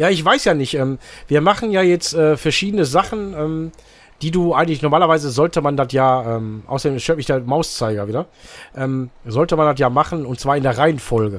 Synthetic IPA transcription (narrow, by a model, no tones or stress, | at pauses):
jaːɪçv̥aɪsjaːnɪçtʔɛːmv̥iːɐmaχn̩jaːjɛt͡stʔɛːfɛɐʃiːdənəzaχn̩ʔɛːm | d̥iːduːʔaɪɡəntlɪçnɔɐmaːlɐvaɪzəzɔltəmandatjaːʔɛːmʔa̰ʊsɐdeːmʃøɐtmɪçd̥eːɐmaʊst͡saɪɡɐviːdɐʔɛːmzɔltəmandat̬jaːmaχn̩ʊntt͡sv̥aːɐɪndeːɐʁaɪənfɔlɡə